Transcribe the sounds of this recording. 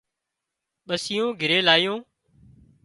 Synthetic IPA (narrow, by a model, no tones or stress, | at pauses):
ɓəsɪjõːɡʱɪɾeːlaːɪjõː